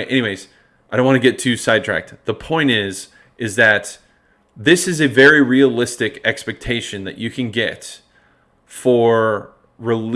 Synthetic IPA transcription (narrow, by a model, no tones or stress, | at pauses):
ʔɛñiweɪz̥ | aɪdɾõnwɑ̃nɨɡɛtʰʉsaɪd̚tʰɹ̥æ̰k̚tðəpʰɔ̃ɪ̃ñtɪz̥ | ʔɨzðɨt̪̚ | ðɪsɨzɨvɛɹiɹiəlɪstɨkɛkspɛk̚tʰeɪʃɨ̃nðɨ̰t͡ʃɨkʰɨ̃nɡɛt | fə˞ | ɹɨl